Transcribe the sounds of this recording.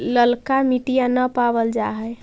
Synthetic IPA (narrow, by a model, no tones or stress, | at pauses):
ləlkamiʈijanəpabəld͡ʒaɦəj